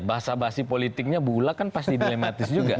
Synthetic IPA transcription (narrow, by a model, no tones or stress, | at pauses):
baɦasabasipolit̪ɪk̚ɲabulakanpast̪idilemat̪ɪsd͡ʒuɡa